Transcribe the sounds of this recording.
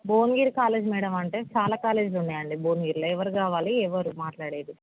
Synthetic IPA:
boːnɡiːɾkaːle̞ːd͡ʒmiːɽɐmɐɳʈe̞ːt͡ʃaːlaːkaːle̞ːd͡ʒluɳːaːjɐɳɖiboːnɡiːɾlɐɛʋɐɾukaːʋaːliɛʋɐɾumaːʈlaːɽeːd̪u

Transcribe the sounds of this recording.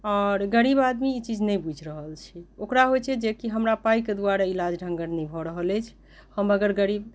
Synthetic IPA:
ɔɾɡəɾibad̪miːt͡ʃid͡ʒʱnɛjbud͡ʒʱɾəɦəlt͡ʃʰiokɾaɦojt͡ʃʰɛd͡ʒekiɦəmɾapajked̪uaɾailad͡ʒɖʱə̃ŋɡəɾnibʱɔɾəɦəlɛt͡ʃʰ | həməɡəɾɡəɾib

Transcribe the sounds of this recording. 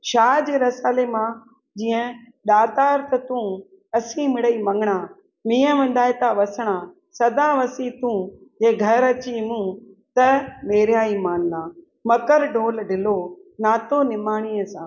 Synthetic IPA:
ʃaːd͡ʑeːɾɐsaːlemã | d͡ʑĩːə̃ | ɗaːt̪aːɾt̪ɐt̪ũ | ɐsĩmɪɽəimɐ̃ŋɡʱɪɽ̃ãː | mĩːə̃ʋɐ̃n̆d̪aːt̪aʋɐsɽ̃ãː | sɐd̪aʋɐsit̪ũjeːɡʱɐɾɐt͡ɕimũt̪ɐmeːɾjaːimaːnnaː | mɐkəɾɖʱoːlɖɪlonaːt̪onɪmaːɽ̃iːəsãː

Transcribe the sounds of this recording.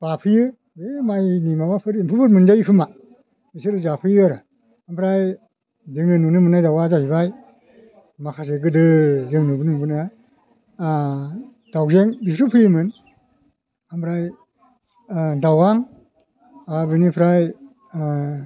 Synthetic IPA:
b̥apʰɯjɯ | bemajnimabapʰɯɾmpʰɯpʰɯɾmɯnd͡ʒajkʰɯma | bisɯɾɯzapʰɯjɯaɾa | ampʰɾaj | zɯŋɯnunɯmɯnajdawazahibaj | makʰas̬eɡɯdɯzɯŋnubɯnɯbɯnaja | a | d̥awzeŋbisɾupʰɯjɯmɯn | ampʰɾaj | dawaŋ | abɯnipʰɾaj

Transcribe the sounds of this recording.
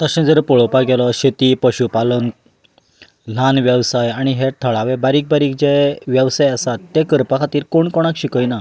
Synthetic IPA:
t̪əɕẽd͡zəɾpɔɭɔpaɡɛlɔɕet̪iːpəɕupalən | l̤anʋjəwsajaɽ̃iɦet̪ʰəɭaʋebaɾiːk̚baɾiːk̚d͡ʑeʋjəʋsajəsat̪ːekəɾpakʰat̪iːɾkoɳkɔɽ̃akɕikəjna

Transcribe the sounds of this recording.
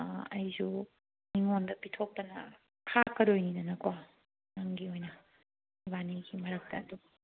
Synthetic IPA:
ɐjzu | niŋondɐpitʰok̚tɐnɐ̰ | kʰakːɐɾojninɐnɐkwa | naŋɡiojnɐ | baniɡimɐɾɐk̚tɐːduɡɐ

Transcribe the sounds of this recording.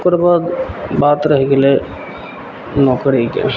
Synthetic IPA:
kəɾbaːd̪baːt̪ɾəɦekelie | nɔːkɾikḛ

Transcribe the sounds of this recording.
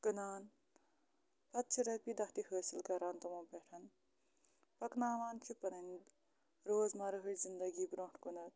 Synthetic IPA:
kɐnaːn | pɐt̪ːt͡ʃʰiɾɐpid̪ɐɦʰt̪iɦəːsilkɐɾant̪ɐmopeʈʰɐn | pɐknaːʋaːnt͡ʃʰipɐnɐnd̪ | ɾoːzmaɾɐɦɨzind̪ɐɡibɾoːʈʰkunɐt̪̚

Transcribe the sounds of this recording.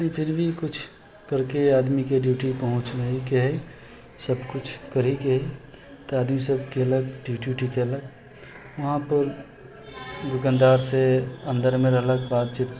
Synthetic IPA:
ĩpʰɪɾbʱikʊt͡ʃʰ | kəɾkeaːd̪mikeɖjuːʈipəɦʊ̃t͡ʃnəikeɦɛi | səbkʊt͡ʃʰkəɾikeɦɛi | t̪oaːd̪misəb̚keələɡ̚ɖjuɖjuːʈikeələɡ | ʋɐɦãpəɾ | d̪ʊkə̃nd̪aːɾseə̃nd̪əɾmẽɾɐɦləɡbaːt̪̚t͡ʃiːt̪

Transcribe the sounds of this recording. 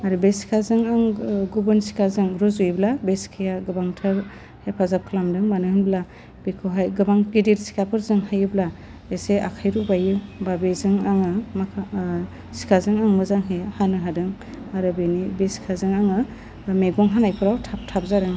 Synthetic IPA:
aɾɯbesi̥kʰazɯŋaŋɡubɯnsi̥kʰazɯŋɾuzujblabeskʰɯjaɡɯbaŋtʰɯɾ | hepʰazap̚kʰɯlamdɯŋmanɯhɯnbla | b̥ikʰoɦajɡɯbaŋɡidiɾsi̥kʰapʰɯɾzɯŋhajɯbla | eseakʰajɾubajɯbabezɯŋaŋɯmakʰa | si̥kʰazɯŋaŋmɯzaŋɦehanɯɦadɯŋ | aɾɯbenibesi̥kʰazɯŋaŋɯ | meɡɔŋɦanajpʰɯɾawtʰap̚tʰap̚zaɾɯŋ

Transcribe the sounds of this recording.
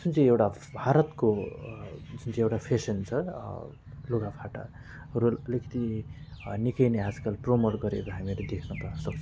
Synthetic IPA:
sunt͡sʰĩewʈa | bʱaɾʌt̪ko | d͡zunt͡sʰĩewʈapʰesʌnt͡sʰʌ | loɡapʰaʈa̰ | rolʌlikʌ̥t̪i | nikʌjneɦad͡zkʌlpromolɡʌɾḛkoɦamiled̪ekʰnʌpʌrnʌsʌk̚t͡sʰʌ

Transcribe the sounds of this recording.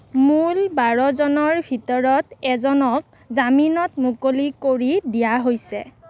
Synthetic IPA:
mulbaɹɔzɔnɔɹbʱitɔɹɔtɛzɔnɔk̚ | zaminɔtmukolikoɹidijaɦojsɛ̰

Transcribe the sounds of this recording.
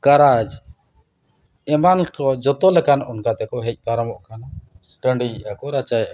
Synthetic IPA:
kaɾad͡ʒ | ɛmankɔd͡ʒɔt̪ɔlɛkanɔnkat̪ɛkɔɦɛc̚ˀpaɾəmɔʔkana | ʈəɳɖijʔakɔɾat͡ʃajʔa

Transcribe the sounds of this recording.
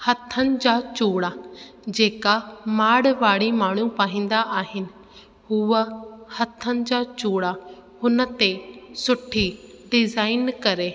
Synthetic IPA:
hɐt̪ʰːənɪ̆d͡ʑaːt͡ɕuːɽa | d͡ʑeːkamaːɽʋaːɽimaːɳ̤upaːɦĩːn̆d̪aʔaːɦɪnɪ̆ | ɦʊəhɐt̪ʰənɪ̆d͡ʑaːt͡ɕoːɽahʊnə̆t̪esʊʈʰi | ɖɪzaːɪnkɐɾeː

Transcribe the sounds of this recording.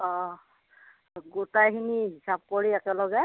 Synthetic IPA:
ɔ | ɡotajxiniɦisab̚koɹiɛkɛlɔɡɛ

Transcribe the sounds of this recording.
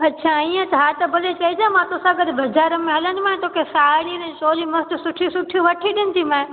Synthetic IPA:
ɐtːɕʰaːiːə̃t̪ɦaːt̪ɐbɐlet͡ɕɐɦid͡ʑãmãt̪oːsãɡɐɗ̪bʱɐd͡ʒaːɾəmẽɦɐlə̃nd̪mãɦɪ̃t̪oːkʰesaːɽinɐ̃t͡ɕoːlimɐst̪ʊsʊʈʰisʊʈʰijũʋɐʈʰiɗɪnɪ̆t̪ʰimãẽ

